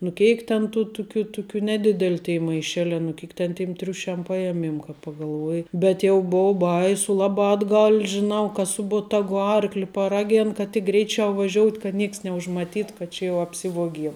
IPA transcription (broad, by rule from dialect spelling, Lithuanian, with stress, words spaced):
nʊ ˈkʲɛɪk tʲɛn ˈtuː ˈtʊkʲʊ ˈtʊkʲʊ nʲɛˈdʲɪdʲɛlʲ tʲeːɪ mɐɪˈʃʲæːlʲɛː nʊ ˈkʲeːk tʲɛn tʲɪm ˈtʲrʲʊʃʲɛm ˈpɑːjɛmʲiɛm kɐ pɐɡɐlˠˈʋuɔjɪ bʲɛt ˈjɛʊ ˈboːʊ ˈbɐɪsʊ ˈlˠɑːbɑː ɐdˈɡɐlʲ ʒʲɪˈnɐʊ kɐ ˈsʊ boːtɐɡʊ ˈɐrklʲɪ pɐˈrɑːɡʲeːn kɐt tʲɪk ˈɡrʲɛɪt͡ʃʲɛʊ ʋɐˈʒʲoːʊtʲ kɐt ˈnʲiɛks nʲɛʊʒmɐˈtʲiːt kɐt ˈt͡ʃʲɛ jɛʊ ɐpʲˈsʲɪʋuɔɡʲiɛm